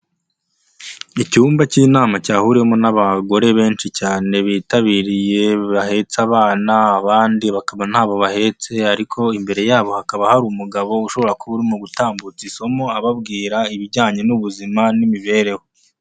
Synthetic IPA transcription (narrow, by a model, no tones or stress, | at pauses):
icuːmbaciːnaːmacaːhuɾihomonaβaɡo̞ɾe̞βe̞ːnt͡ʃicaːne̞βiːtaβiːɾije̞βahe̞t͡saβaːnaːβaːndiβakaβan̥haːβo̞βahe̞t͡se̞aɾikʰo̞imbe̞ɾe̞jaːβo̞hakaβahaɾumuɡaβo̞uʃo̞βo̞ɾakoβuɾimuɡutaːmbut͡siso̞mo̞aβab̚ɡiːɾaiβiɾɟaːɲe̞nuβuzimanimiβe̞ːɾe̞ho